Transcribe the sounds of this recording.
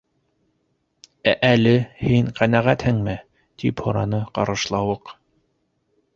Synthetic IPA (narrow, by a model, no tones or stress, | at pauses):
æʔælɘhiŋqænæʁæt̪hɘŋmɘ | t̪iphŏɾɑnɤqɑ̰ɾɤ̆ʃlˠɑwɤq